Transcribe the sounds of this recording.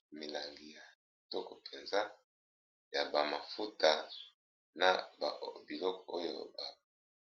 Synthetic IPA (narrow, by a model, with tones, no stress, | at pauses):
mi˨la˨ŋɡi˨ja˨ | tɔ˦kɔ˨pʰe˨nza˦ | ja˨ba˨ma˨fu˦ta˨ | na˨ba˨bi˨lɔ˦kɔ˨o˦jo̰˨ba˨